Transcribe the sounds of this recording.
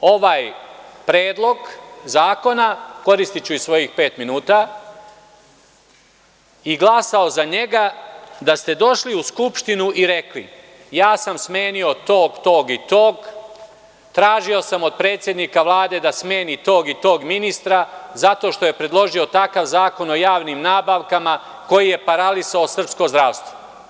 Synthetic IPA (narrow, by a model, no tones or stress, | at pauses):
o̞ʋaj | pɾeːd̪lˠo̞ɡzaːko̞nako̞ɾist̪it͡ɕuisʋo̞jixpe̞ːt̪minuːt̪a | iɡlˠasao̞zaɲe̞ɡad̪ast̪e̞d̪o̞ʃliuskupʃt̪inuʔiɾe̞klḭ | jaːsamsme̞ːnio̞t̪o̞ːɡt̪oːɡit̪oːɡ | t̪ɾaːʒio̞samo̞d̪̚pɾe̞ːt̪sʲjed̪nikaʋlˠaːd̪e̞d̪asme̞ːnit̪o̞ːɡit̪o̞ːɡminist̪ɾazat̪o̞ːʃt̪o̞je̞pɾe̞d̪lˠo̞ʒio̞t̪akaʋzaːko̞no̞jaːʋnimnaːbaʋkama | ko̞jije̞paɾalisaosr̩pskozd̪ɾaʋst̪ʋo